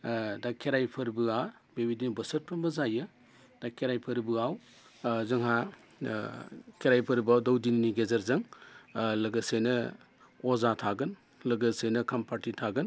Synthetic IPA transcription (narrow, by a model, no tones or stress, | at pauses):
dakʰːeɾajpʰɐɾbɯa | bebidinbɐsɐt̚pʰɐmɐzajɯ | d̥akʰeɾajpʰɐɾbɯaw | zɐŋɦa | kʰeɾajpʰɐɾbɯawdɐwdinniɡezɐɾzɐŋ | lɐɡɐsejnɐ | ɔzatʰaɡɯn | lɐɡɐsejnɐkʰampʰaɾtitʰaɡɯn